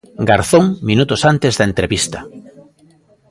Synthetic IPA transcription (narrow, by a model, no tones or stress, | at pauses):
ɡaɾθõŋminut̪ʊsant̪ezðɐent̪ɾeβist̪ɐ̥